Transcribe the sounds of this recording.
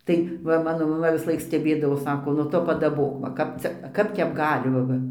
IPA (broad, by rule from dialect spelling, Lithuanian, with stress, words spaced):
tɐɪ ˈʋɐ ˈmɑːnoː mɐˈmɐ ʋʲɪsˈlˠɐɪk sʲtʲɛˈbʲeːdɐʋoːs ˈsɑːkoː nʊ ˈtʊ pɐdɐˈboːk ʋɐ ˈkɐp t͡sʲɛ ˈkɐp tʲɛp ˈɡɑːlʲɪ ʋɐ ˈʋɐ